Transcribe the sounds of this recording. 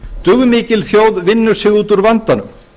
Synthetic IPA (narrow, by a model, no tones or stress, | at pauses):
t̪ʏɣmɪːcɪlθjoːwðvɪnːʏɾ̥sɪɣuːt̪uɾvant̪anʏm